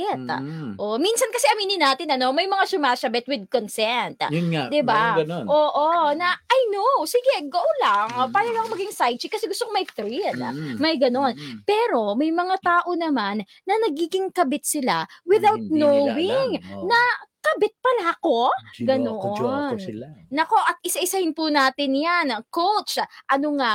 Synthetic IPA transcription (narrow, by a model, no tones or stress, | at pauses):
ɛt̪ʔominsɐnkɐsɛʔɐmiːnɪnaːt̪ɪnɐno̞mɐjmɐŋasʊmasɐbɛt̪̚wɪd̪̚konsɛnt̪jʊd̪ɪbaɡ̪ʔoːʔonɐʔɐjnowsɪɡɛɡowlɐŋpaːjɐɡɐkomɐɡɪŋsajt͡ʃɪkːɐsɛɡʊst̪okomɐjt̪ɾilmɐjɡɐnonpɛːɾo̞mɐjmɐŋat̪aːʔo̞nɐmanːɐnɐɡ̚iːɡɪŋkɐbɪt̪̚sɪla̰wɪðawt̪̚nowɪŋnɐkɐbɛt̪̚pɐlako̞ɡɐnonnɐko̞ʔɐt̪̚ʔɪsaʔɪsahɪnpunaːt̪ɪnjankowt͡ʃʔɐnoŋa